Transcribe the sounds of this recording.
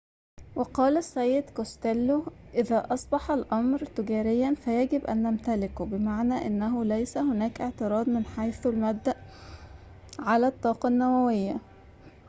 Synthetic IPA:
weqɑːlæsːæjːed̪kost̪ælːoʔɪðæːʔɑsˤbɑħɑlʔɑmɾt̪ɪɡæːɾejːænfæjæɡɪbʔæ̰nːæmt̪ælɪkobɪmaʕnæːʔɪnːæɦʊlæjsæhonæːkʔeʕt̪ɨɾˤɑːd̪mɪnħajθælmæb̚d̪ːæʔ | ʕalæt̪ˤːɑːqɑnːæwæwejːæ

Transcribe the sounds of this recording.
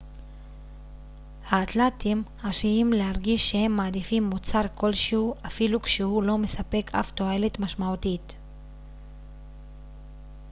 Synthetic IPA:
haːt̪latimhaʃiimlehaʁɡiʃːe̞he̞mːaːd̪ifimːut͡saʁko̞lʃeuʔafilukʃehulo̞me̞sape̞kʰa̰ft̪oelet̪maʃmautit̪

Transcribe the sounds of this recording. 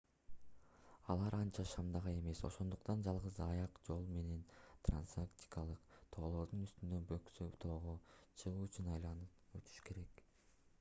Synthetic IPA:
ɑlˠɑɾɑnt͡ʃɑʃɑmd̪ɑʁɑe̞me̞so̞̰ʃo̞nd̪uqt̪ɑnd͡ʒɑlˠʁɯzɑjɑqd͡ʒo̞lˠme̞ne̞nt̪ra̰nsakt̪ʲi̥kɑlˠɯqt̪ʰo̞ːlˠo̞ɾd̪unyst̪ynd̪øbøksyt̪ʰo̞ːʁot͡ʃʰɯʁuːyt͡ʃynɑjlˠɑnɯp̚øt̪ʰy̥ʃke̞ɾe̞k

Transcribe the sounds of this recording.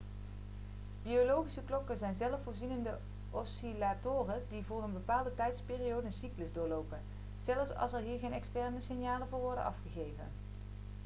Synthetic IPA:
biolowχisəklɔkəzɛjnzɛləfʊːɹzinəndə | ʔɔsilatoːrədivʊːrənbəpaːlˠdətɛjtspɪːriowdənsikləzdʊːɹlowpən | z̥ɛlˠəfsɑ̰lˠsɛɹɦiːɹɣejnɛkstɛɹnəsɪnjaːlənvʊːɹʋɔɹdə̰nʔɑ̰fχəɣejvə̰n

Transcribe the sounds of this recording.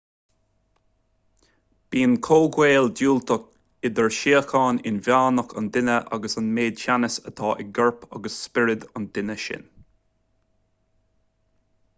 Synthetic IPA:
b̥iːnkʰoːɡweːlduːlt̪ək̚ | ɪd̪əɹʃiːəxʰɑːnɪ̰nvjaːnəkʰa̰nd̪ɪnəʔa̰ɡəsanmeːd̪ʃanəsət̪ʰɑːʔɪɡəɹpʰa̰ɡəsːpɪɹɪd̪ʊnd̪̥ɪnəʃɪ̰n

